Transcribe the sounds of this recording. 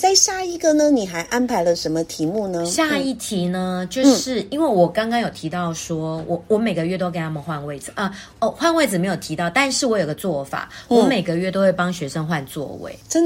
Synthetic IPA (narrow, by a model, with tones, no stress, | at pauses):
t͡sa˥˧ɪɕja˥˩i˧˥ɡə˨nə˦ni˨˩xa˧˥ɪʔa˥npʰa˧˥ɪlə˧ʂə˧˥nmə˧t̪ʰi˧˥˦mu˥˩nə˧˦ɕja˥˧i˥˩t̪ʰi˧˥nə˧t͡ɕjo˥˧ʊʂɻ̩˥˩i˥nwe˥˩ɪwɔ˨˩kɑ˥ŋkɑ˥ŋjo˨˩ʊt̪ʰi˧˥t̪ɑ˥˩ʊʂwɔ˥wʔɔ˨˩wɔ˧˥me˨˩ɪɡə˩ɥɛ˥˩t̪o˥ke˨˩ɪt̪ʰa˥mə˨nxwa˥˧nwe˥˩ɪd͡zɹ̩˨˩ʔə˧ | ɔ˥˧˩xwa˥˧nwe˥˩ɪd͡zɹ̩˨˩me˧˥ɪjo˨˩ʊt̪ʰi˧˥t̪ɑ˥˨˩ʊt̪a˥˧nʂɻ̩˥˩wɔ˨˥jo˨˩ʊɡə˩˧t͡swɔ˥˩fa̰˨˩wɔ˧˦me˨˩ɪɡə˨ɥɛ˥˩t̪o˥ʊwe˥˩ɪpɑ˥ŋɕɥɛ˧˥˦ʂə˥ŋxwa˥˧nt͡swɔ̰˥˩wḛ˨˦ɪə˥n